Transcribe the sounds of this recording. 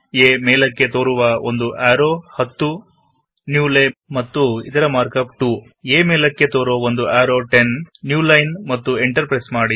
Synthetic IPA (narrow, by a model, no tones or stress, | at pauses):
eːmeːlɐkːe̞t̪oːɾuʋɐo̰nd̪uʔaːɾoːhɐt̪ːu | njuːlemɐt̪ːuḭt̪ɐɾɐmaːɾkɐp̚ʈuː | eːmeːlɐkːe̞t̪oːɾuʋɐond̪uʔaːɾoːʈenːjuːlɐjnmɐt̪ːueɳʈɐɾpɾɐjsmaːɽi